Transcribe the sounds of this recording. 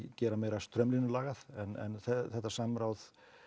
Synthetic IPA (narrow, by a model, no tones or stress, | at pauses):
cɛːɾameːjɾast̪ɾœmlinʏlaːɣaðɛnɛ̰nθɛθɛht̪ːasamɾaːwð